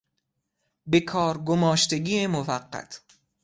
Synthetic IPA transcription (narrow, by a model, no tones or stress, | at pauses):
bekʰɒːɾɡomɒːʃt̪eɡiːemovæɢːæ̰t̪ʰ